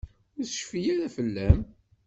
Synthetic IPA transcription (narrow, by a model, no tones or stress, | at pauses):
ʊɾθʃfijæɾafəlːæm